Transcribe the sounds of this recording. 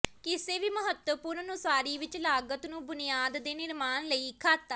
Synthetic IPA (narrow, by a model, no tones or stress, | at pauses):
kɪseːʋiːməɦət̪wəpʊɾmənʊsaːɾiːʋɪt͡ʃlaːɡət̪nũːbʊnɪjaːd̪ːeːnɪɾmaːnləiːkʰaːt̪ːaː